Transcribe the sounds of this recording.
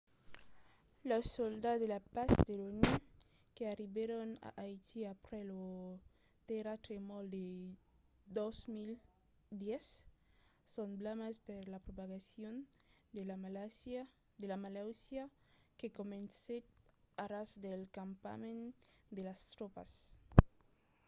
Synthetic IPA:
losold̪ad̪elapasd̪eloni | keariβeɾona̰ʔajt̪iapɾelo | t̪eɾat̪ɾemold̪e | d̪ozmil | d̪jesː | onblamaspeɾlapɾopaɣasjon | elaalaa | d̪elamalawsja | kekomenset̪̚aɾasd̪elkampa̰mẽnd̪elast̪ɾopa̰s

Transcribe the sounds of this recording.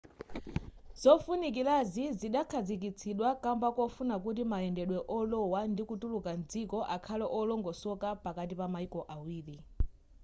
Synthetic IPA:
z̥ɔfunik̬ilaziziɗakʰad͡zikit͡sʰiɗwakambakɔfunakut̬imaɛndɛɗwɛʔɔlɔwandikutulukand͡zikɔʔakʰalɛʔɔlɔŋɡɔsɔkapakat̬ipamaikɔʔawiːli

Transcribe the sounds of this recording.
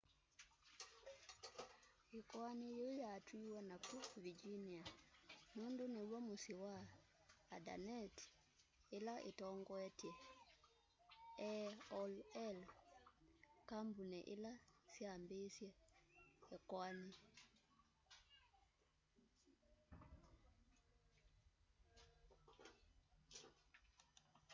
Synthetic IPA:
ekwanijojatwiwanakuvid͡ʒinianondonewɔmosiwaː | da̰nɛt | elaʔetɔŋɡɔɛtɛ | ɛɔlɛl | kambunɛʔelasjambesjɛ | ɛkwani

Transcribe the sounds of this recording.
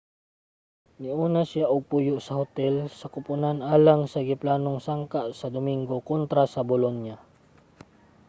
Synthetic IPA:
nɪʔuːnasɪjaʔʊɡ̚pujʊʔsɐhot̪ɛlsɐkʊpʊnanʔaːlaŋsɐɡɪplaːnoŋsaŋkaʔsɐd̪ʊmiŋɡokont̪ɾasɐbolonja

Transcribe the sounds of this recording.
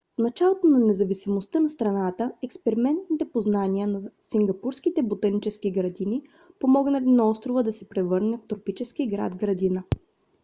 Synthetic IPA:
fnɐt͡ʃalˠot̪onɐnɛzɐvisimost̪ənɐst̪ɾɐnat̪əɛkspɛɾimɛnt̪̚nit̪ɛpoznaniənɐsiŋɡɐpuɾskit̪ɛbot̪ɐnit͡ʃɛskiɡɾɐd̪ini | pomɔɡnɐlʲinaɔst̪ɾovəd̪ɐsɛpɾɛvɤɾnɛft̪ɾopit͡ʃɛskiɡɾa̰d̪ɡɾɐd̪inə

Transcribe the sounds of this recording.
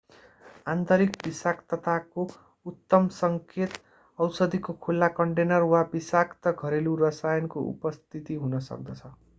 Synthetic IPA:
ant̪ʌɾikbisakt̪ʌt̪ʰako | ut̪ːʌmsʌŋkʰet̪ | ʌwsʌd̪ʱikokʰulːakʌɳʈenʌrwabisakt̪ʌɡʱʌɾeluɾʌsajʌnkoʔṵpʌst̪ʰit̪iɦunʌsʌ̰k̚d̪ʌt͡sʰʌ

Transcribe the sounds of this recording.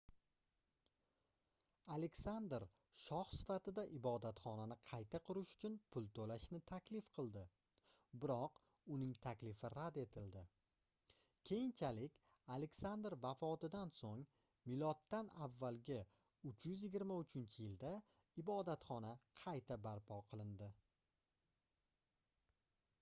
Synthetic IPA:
ale̞kʲsand̪ɾ | ʃɒχsɪ̥fat̪ɪd̪aʔɪbɒd̪at̪χɒnanɪqʰɑjt̪ʰaqʊɾɪʃʊ̥t͡ʃʰʊnpʰʊlˠt̪ʰolaʃnɪt̪ʰakʲlɪfqʰɨlˠd̪ɪ | bɪɾɒq | ʊnɪŋt̪ʰakʲlɪfɪɾad̪e̞t̪ʰɪld̪ɪ | kʲʰe̞jɪnt͡ʃʰalɪkʲ | ale̞kʲsand̪ɾvafɒt̪ɪd̪ansoŋ | mɪlɒt̪ːana̰vːalɡʲɪ | ʊt͡ʃʰjʏzjɪɡʲɪɾmaʊt͡ʃʰɪnt͡ʃʰɪjɪld̪a | ɪbɒd̪at̪χɒnaqʰɑjt̪ʰabaɾpʰɒqʰɨlˠɪnd̪ɪ

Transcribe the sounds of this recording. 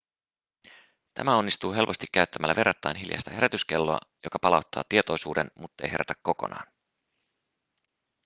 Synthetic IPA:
t̪ʰæ̰mæo̞nːist̪uːɦe̞lpo̞st̪ikːæyt̪ːæmælːæ̰ʋe̞rːɑt̪ːɑjnɦiljɑ̰st̪ɑhe̞ɾæt̪yske̞lːoɑ̰jo̞kɑpɑlɑwt̪ːɑ̰ːt̪iet̪o̞jsuːdenmut̪ːɑḛjhe̞ɾʔæt̪æ̥kːo̞ko̞̰nɑ̰ːn

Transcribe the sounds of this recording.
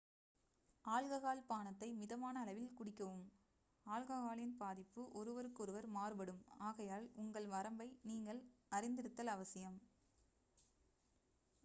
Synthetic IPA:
aːlɣɐɣaːlpaːɳɐt̪ːɐɪmɪðɐmaːnɐːlɐʋɪlkʊɽɪkːɐʋɯm | aːlɣɐɣaːlɪnpaːðɪpːɯʔɔɾɯʋɐɾɯkːɯɔɾɯʋɐɾmaːrɯbɐɽɯmaːɣɐjaːlʊŋɡɐɭʋɐɾɐmbɐɪniːŋɡɐɭɐɾɪnd̪ɪɽɯt̪ːɐlɐʋɐsɪjɐm

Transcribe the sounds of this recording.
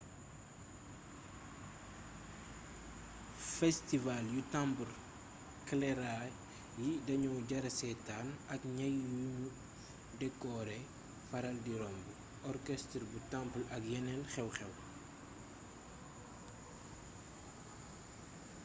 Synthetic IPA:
fɛstivaljutampul | klɛɾa | jidɐɲɔwɟɐɾɐsɛtaːnɐkɲɐjːuuɲu | dɛkːɔɾɛ | fɐɾɐldiɾɔmbu | ɔrkɛstɾbutampəlɐkjɛnɛnxɛwxɛw

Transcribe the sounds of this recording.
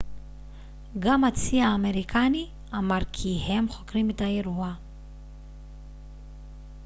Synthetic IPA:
ɡamat͡siaːmeʁikʰani | amaʁkʰihemχo̞kɾimetajeɾua

